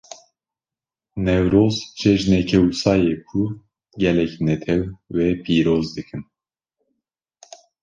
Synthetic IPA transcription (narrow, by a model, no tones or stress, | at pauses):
nɛwɾoːzt͡ʃʰɛʒnɛkʰɛwusɑːjeːkʰu | ɟɛlɛcnɛt̪ʰɛwːɛpʰiːɾoːzd̪ɨkʰɨn